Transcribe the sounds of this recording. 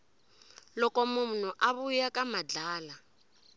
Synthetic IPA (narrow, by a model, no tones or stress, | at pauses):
lɔkɔmun̤uʔaβujakamad͡ɮaːla